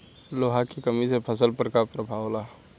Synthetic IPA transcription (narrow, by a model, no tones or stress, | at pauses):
loːɦakikəmisepʰəsəlpəɾkapɾəbʱaʋla